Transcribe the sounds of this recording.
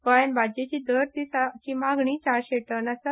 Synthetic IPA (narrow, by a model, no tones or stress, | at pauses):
kəjnbʱad͡ʑet͡ɕiːd̪əɾt̪isat͡ɕiːmaɡɳiːt͡ɕaɾɕeʈənəsə